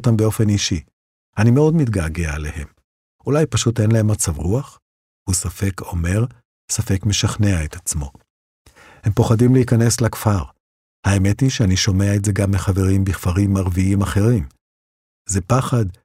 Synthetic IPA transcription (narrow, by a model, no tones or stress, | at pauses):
t̪ambeo̞fe̞niʃi | animeo̞dmit̪ɡaːɡealehe̞m | ulajpaʃute̞nlahe̞mːat͡savʁuaχ | husafe̞ko̞me̞ʁ | safe̞kme̞ʃaχne̞aet̪at͡smo̞̰ | he̞mpo̞χadimlehikane̞slakfaʁ | haeme̞tiʃeaniʃo̞meaetze̞ɡamːeχave̞ʁimbiχfaʁimːaʁviimaχe̞ʁim | zepaχad